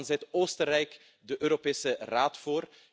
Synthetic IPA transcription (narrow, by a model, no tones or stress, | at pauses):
nzɛtoːstərɛjk | dəʔøːɾopeːsəraːtfoːr